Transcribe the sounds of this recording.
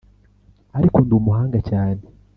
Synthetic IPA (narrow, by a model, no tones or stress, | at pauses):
aɾikondumuhaːŋɡacaːne